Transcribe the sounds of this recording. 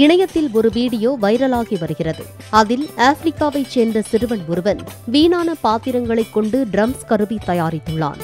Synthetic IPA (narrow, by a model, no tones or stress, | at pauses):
ɪɳɐjɐt̪ːɪlɔɾɯʋiːɽɪjoːʋɐɪɾɐlaːɣiʋɐɾɯɣɪrɐðɯ̰ | ɐðɪlaːfɾɪkːaːʋɐɪt͡ʃeːnd̪rɐsɪɾɯʋɐnɔɾɯʋɐnʋiːnaːnɐpaːt̪ɪɾɐŋɡɐɭɐɪkːɔɳɖɯɖɾɐmskɐɾɯʋit̪ɐjaːɾɪt̪ːɯɭːa̰ːn